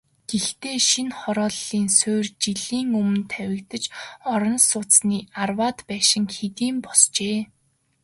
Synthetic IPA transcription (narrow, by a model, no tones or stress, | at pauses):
ɡ̥ext̪eːʃinχɔɾɔːɮːiːnsoːrt͡ɕiɮiːŋɵmɵ̆nt̪ʰæwʲɪ̆kt̪ə̆t͡ɕɔɾɞ̆nsʊt͡sniːarwaːt̪pæːʃɪ̆ŋxet̪iːmpɔst͡ɕeː